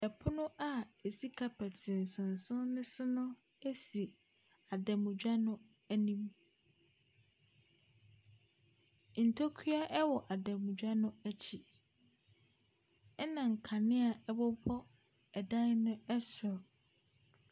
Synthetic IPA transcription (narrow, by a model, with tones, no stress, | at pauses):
ɛ˨pʰʊ˦nʊ̃˦ʔa˦e˨si˦kʰa˨pʰæ˨tʰɪ˨n̩˨sʊ̃˨n̩˨sʊ̃˦nʊ̃˦sʊ˦nʊ̃˦ | æ˦si˨ | a˨dɛ˨mʊ̃˨d͡ʑᶣa˦nʊ̃˦ | æ˦nĩ˦m˨ | n̩˨tʰo˦kʰi˦a˦ʔɛ˦wɔ˨ʔa˨dɛ˨mũ˨d͡ʑᶣa˦nʊ̃˦æ˦t͡ɕʰi˨ | ɛ˦nã˨ŋ̩˨kʰa˨nɪ̃˦a˨ɛ˦bɔ˦bʰɔ˦ | ɛ˨dã˦nnʊ̃˦ɛ˦sʊ˨